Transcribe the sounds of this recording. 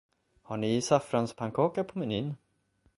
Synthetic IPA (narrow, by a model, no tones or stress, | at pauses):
haɳɪsafɾanspʰaŋkʰɑːkapʰɔmɪnin